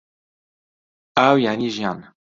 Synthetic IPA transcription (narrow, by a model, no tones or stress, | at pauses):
ʔaːwjaʕniːʒjɑːn